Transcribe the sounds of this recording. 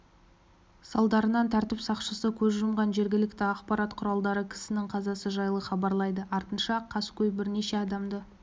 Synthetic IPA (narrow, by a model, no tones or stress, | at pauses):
sɑlˠd̪ɑɾənɑnt̪ʰæɾt̪ɪpsɑqʃəsəkʲʰɵzʒʊmʁɑnʒe̞ɾɡʲɪlɪkt̪ɪɑqpɑɾɑt̪qʰʊɾɑlˠd̪ɑɾəkʲʰɪ̥sɪnɪŋqʰɑzɑsəʒɑjlˠəχɑbɑɾlˠɑjd̪əʔɑɾt̪ənʃɑqʰːɑskʲʰɵjbɪɾne̞ʃe̞ɑd̪ɑmd̪ə